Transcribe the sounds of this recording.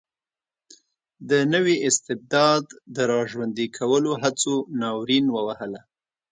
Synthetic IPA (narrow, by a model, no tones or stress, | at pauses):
d̪ənəwiʔɪst̪ɪb̚d̪ɑd̪ːəɾɑʒwand̪ikʰawəloɦat͡sonɑwɾinwəwahəla